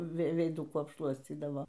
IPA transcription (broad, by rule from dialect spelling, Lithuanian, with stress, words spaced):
ˈʋʲɛɪ ʋʲɛɪˈdʊkuː ɐpˈʃlˠuɔsʲt͡sʲiːdɐʋoː